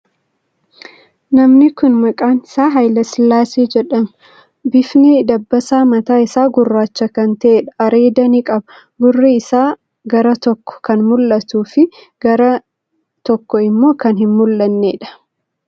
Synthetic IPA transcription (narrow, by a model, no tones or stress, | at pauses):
nɐmnɪkʊnmɐkʼaːnɪ̥saːɦɐjlɐslaːseːd͡ʒɛᶑɐm | bɪfnid̪ɐbːɐsaːmɐt̪aːɪsaːɡʊrːaːt͡ʃːɐkɐnt̪ɐʔeːᶑɐ̥ɐɾe̞ːd̪ɐnikʼɐbɐ | ɡʊrːiɪsaː | ɡɐɾɐt̪ɔkːɔ̥kɐnmʊlːɐt̪uːfɪ | ɡ̥ɐɾɐ | t̪ɔkːɔɪmːo̞ːkɐnɦɪnmʊlːɐnːeːᶑɐ̥